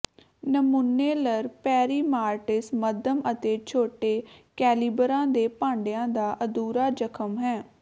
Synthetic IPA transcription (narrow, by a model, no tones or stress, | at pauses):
nəmunːeːləɾpɛːɾiːmaːɾʈɪsməd̪ʱəmət̪eːt͡ʃʰoːʈeːkɛːliːbɾãːd̪eːpãːɳɖejãːd̪aːʔəd̪uːɾaːd͡ʒəkʰəmɦɛː